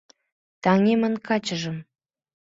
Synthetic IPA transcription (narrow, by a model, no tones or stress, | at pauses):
t̪ɑŋemənkʰɑt͡ɕəʒə̆m